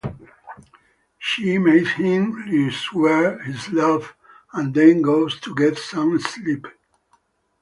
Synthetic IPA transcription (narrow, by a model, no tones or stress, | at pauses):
ʃimeshɪ̃mliswɛɹhizlʌv | æ̃nd̪ɛ̃nɡoʊz̥t̪ʰuɡɛtsʌ̃mslip